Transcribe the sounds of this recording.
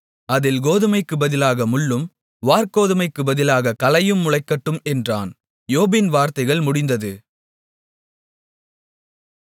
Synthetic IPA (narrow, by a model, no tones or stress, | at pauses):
ɐðɪlɡoːðɯmɐɪkːɯbɐðɪlaːɣɐmʊɭːɯm | ʋaːɾkoːðɯmɐɪkːɯbɐðɪlaːɣɐkɐlɐjɯmːʊɻɐɪkːɐʈːɯmɛndra̰ːn | joːbɪnʋaːɾt̪ɐɪɣɐɭmʊɽɪnd̪ɐðɯ